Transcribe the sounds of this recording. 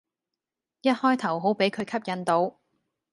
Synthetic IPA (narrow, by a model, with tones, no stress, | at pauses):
jɐ˥t̚hɔː˥jt̪ʰɐ˨˩wɦo˨˥wpe˨˥jkʰɵ˨˧ɥkʰɐ˥p̚jɐ˨˧nt̪o˨˧w